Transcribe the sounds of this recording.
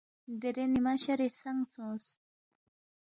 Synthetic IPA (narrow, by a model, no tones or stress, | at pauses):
d̪eɾenimaɕaɾesaŋsõːs